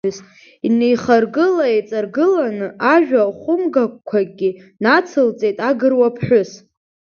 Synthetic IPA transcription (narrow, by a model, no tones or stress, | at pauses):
ʊs | inejχarɡɨlaet͡sʼarɡɨlanɨʔaʒᶣaχʷʊmɡak̚ʷkʷʰaɡʲinat͡sʰɨlt͡sʼe̞jtʼaɡɨrwapʰħʷᶣʊs